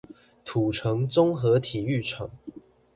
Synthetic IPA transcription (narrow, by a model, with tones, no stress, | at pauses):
t̪ʰu˨˩ʈ͡ʂʰɤ˧˦ŋt͡sʊ˥ŋxɤ˨˧˦t̪ʰi˨˩y˥˩ʈ͡ʂʰɤ˨˩˦ŋ